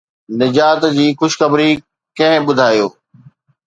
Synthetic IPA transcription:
nɪd͡ʑaːt̪d͡ʑiːxʊʃxəbɾi | kɐ̃ɦɪ̃ɓʊd̪ʱaːjoː

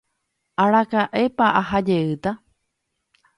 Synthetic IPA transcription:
aɾakaʔe̞paʔaɦad͡ʒe̞ɨt̪a

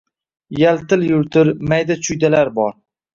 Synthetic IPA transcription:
jalt̪ɪljʊɾt̪ʰɪɾmajd̪at͡ʃʰʊjd̪alaɾbɒɾ

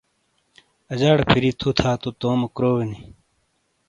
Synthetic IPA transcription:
ɐd͡ʑaːɽpʰiɾit̪ʰut̪ʰaːt̪ot̪oːmɐkɾoːweni

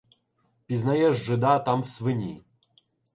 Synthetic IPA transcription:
pʲiznajɛʐːɨd̪at̪amwsvɨnʲi

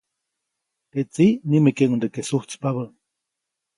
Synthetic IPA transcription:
t̪et͡siʔnimekeŋund̪ekesuht͡si̥paβə

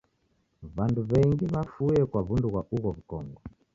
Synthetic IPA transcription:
βanduβɛŋɡiβafujɛkwaβunduɣwaʔuɣɔβukɔŋɡɔ

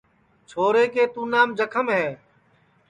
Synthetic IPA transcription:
t͡ʃʰoːɾeːkeːt̪ũːnaːmd͡ʒəkʰəmɦɛː

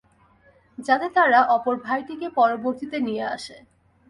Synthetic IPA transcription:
d͡ʑat̪et̪aɾaʔɔpoɾbʱajʈikepɔɾoboɾt̪it̪enijea̰ʃe

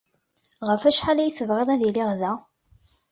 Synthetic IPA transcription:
ʁəfæʃħalæjθəvʁɪðˤæðilɪʁðæ

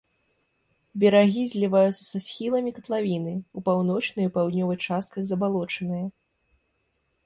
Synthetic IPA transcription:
bʲɛɾaɣʲizʲlʲivajut̪sːɐ̥sasʲxʲilˠɐmʲikɐt̪lˠavʲinɨupawn̪ɔt͡ʂnɨjupawd̪ʲnʲɔvɨxt͡ʂast̪̚kɐɣzɐbalˠɔt͡ʂɐnɨjɐ

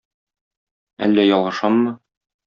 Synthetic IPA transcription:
æ̰lːæjɒlˠʁɤ̆ʃɑmːɤ

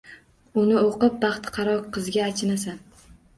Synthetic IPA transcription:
ʊnɪoqɨp̚bɑχt̪qʰɑɾɒqqʰɨzɡʲaːt͡ʃʰɪnasan

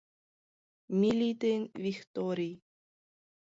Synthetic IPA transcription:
mʲilʲit̪envikt̪oɾʲi

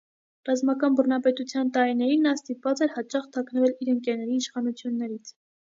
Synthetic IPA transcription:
rɑzmɑkɑnbərnɑpɛt̪ut͡sʰjɑnt̪ɑɾinɛɾinːɑst̪ipvɑt͡sɛɾhɑt͡ʃɑχt̪ʰɑknəvɛliɾəŋkɛɾnɛɾiːʃχɑnut͡sʰjunːɛɾit͡sʰ

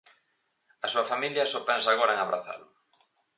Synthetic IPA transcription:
ɐsuɐfamiljɐsɔpɛnsaːɣoɾɐeŋaβɾa̰θa̰lʊ

